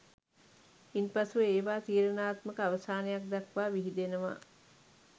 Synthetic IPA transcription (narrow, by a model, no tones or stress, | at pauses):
inpasuʋəeːʋaːt̪iːɾənaːt̪məkəaʋəsaːnejak̚d̪akʋaːʋiɦid̪enəʋa̰ː